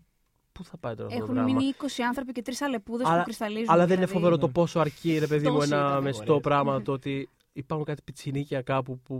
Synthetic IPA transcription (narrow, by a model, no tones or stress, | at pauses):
puθɐpɐjt̪o̞ɾɐfexunɾɐminiiko̞siɐnθɾopice̞t̪ɾisɐle̞puðeɐlɐkɾist̪ɐlizuɐlɐðeninefove̞ɾo̞t̪o̞po̞soɐɾciɾe̞pe̞ðimuenɐmest̪o̞pɾɐɣmɐt̪oot̪i | ipɐɾxuŋkɐt̪i̥pit͡sinicɐkɐpupu